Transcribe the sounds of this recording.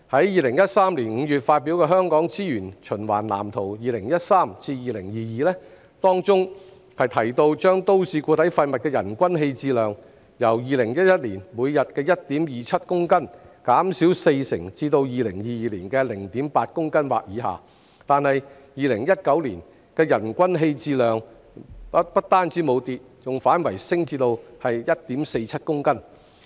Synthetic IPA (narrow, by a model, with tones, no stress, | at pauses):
hɐ˨˥jjiː˨˧lɪ˨˩ŋjɐ˥t̚saː˥mliː˨˩nŋ̩ː˨˧jyː˨t̚faː˧t̚pi˨˥wkɛː˧ɦœː˥ŋkɔː˨˥ŋt͡siː˥jyː˨˩nt͡ʃʰɵ˨˩nwaː˨˩nla̰ː˨˩mt̪ʰo˨˩wjiː˨lɪ˨˩ŋjɐ˥t̚saː˥mt͡siː˧jiː˨˧lɪ˨˩ŋjiː˨˧jiː˨lɛː˥ | t̪ɔː˥ŋt͡sʊ˥ŋ | hɐ˨jt̪ʰɐ˨˩jt̪o˧wt͡ʃœː˥ŋt̪o˥wsiː˧kuː˧t̪ɐ˨˥jfɐ˧jmɐ˨t̚kɛː˧jɐ̰˨˩nkʷɐ˥nɦe˧jt͡siː˧lœː˨ŋ | jɐ˨˩wjiː˨˧lɪ˨˩ŋjɐ˥t̚jɐ˥t̚liː˨˩nmuː˨˧jjɐ˨t̚kɛː˧jɐ˥t̚t̪iː˨˥mjiː˨t͡sʰɐ˥t̚kʊ˥ŋkɐ˥nkaː˨˥msiː˨˥wse˧jsɪ˨˩ŋt͡siː˧t̪o˧wjiː˨lɪ˨˩ŋjiː˨˧jiː˨liː˨˩nkɛː˧lɪ˨˩ŋt̪iː˨˥mpaː˧t̚kʊ˥ŋkɐ˥nwa̰ː˨k̚jiː˨˥ɦa̰ː˨˩ | t̪aː˨˧nhɐ˨j | jiː˨˩lɪ˨˩ŋjɐ˥t̚kɐ˨˥wliː˨˩n | kɛː˧jɐ˨˩nkʷɐ˥nɦe˧jt͡siː˧lœː˨ŋ | pɐ˥t̚t̪aː˥nt͡siː˨˥mo˨˧wt̪iː˨t̚t͡sʊ˨ŋfaː˨˥nwɐ˨˩jsɪ˥ŋt͡siː˧t̪o˧whɐ˨jjɐ˥t̚t̪iː˨˥mse˧jt͡sʰɐ˥t̚kʊ˥ŋkɐ˥n